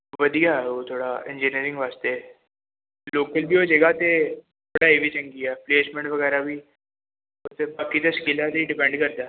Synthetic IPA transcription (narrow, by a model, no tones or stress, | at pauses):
ʋɐd̪ijaɦɛʋot̪ʰoːɽaɪ̰̃nd͡ʒiːniəɾɪ̃ŋɡʋaːst̪eɦɛ | loːkəlbʱiod͡ʒɐɡat̪et̪ʰoɽaeʋit͡ʃɐ̃ŋɡiapleːsmɛ̃ɳʈʋɐɣɛːɾabʱi | ot̪ebaːkit̪ɐʃkiːlɛt̪iɖɪpɛ̃ɳɖkɐɾd̪aː